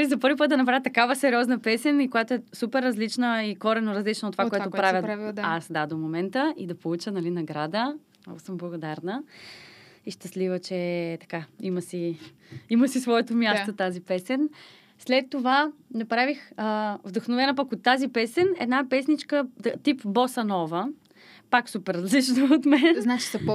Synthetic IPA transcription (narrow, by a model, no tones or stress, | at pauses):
ɛzɐpɤɾvipət̪̚d̪ɐnɐp̬ɾavʲət̪ɐkavəsɛɾiɔznɐpɛsɛnikojat̪oɛsupɛɾːɐzlit͡ʃnəikɔɾɛnoɾɐzlit͡ʃnot̪ːovakoɛt̪opɾavjəavasd̪ad̪omomɛnt̪əid̪ɐpolˠut͡ʃənɐlinɐɡɾad̪ə | ɔ̰səmblˠəɡod̪aɾnə | iʃt̪ɐslivət͡ʃɛt̪ɐ̥kaiməsi | iməsisvɔɛt̪omʲjasot̪azipɛsɛn | slɛt̪ːovanɛpɾavixəvd̪ɐxnovɛnɐpɐkot̪ːazipɛsɛnɛ̰d̪napɛsnit͡ʃkət̪ipbosɐnɔvə | paksupɛɾːɐzlit͡ʃnoot̪mɛnznat͡ʃi̥sɐ